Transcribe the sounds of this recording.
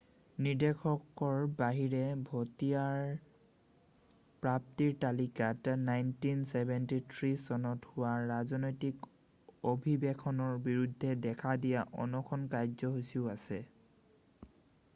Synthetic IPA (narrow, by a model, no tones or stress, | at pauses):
niɹdekʰɔkɔɹbaɦiɹɛbʱotijaɹ | pɹap̚tiɹtalikatnajntinsɛbɛntitʰɹisɔnɔthʊwaɹazɔnojtik | obʱibɛkʰɔnɔɹbiɹudʱːɛdɛkʰadijaʔɔ̰nɔkʰɔnkajzɔɦosiʊasɛ